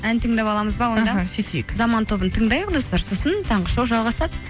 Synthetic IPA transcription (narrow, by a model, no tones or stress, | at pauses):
ænt̪ʰəŋd̪ɑpɑlˠɑməzbɑwo̞nd̪ɑset̪ejekzɑmɑnt̪ʰo̞bənt̪ʰəɴd̪ɑjəqd̪o̞st̪ɑɾsosənt̪ʰɑɴʁəʃɑwʒɑlˠʁɑsɑd̪ə